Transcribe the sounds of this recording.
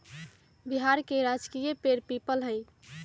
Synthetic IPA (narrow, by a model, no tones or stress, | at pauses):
biɦaɾkeɾad͡ʒkijəpeɾpipəlɦəj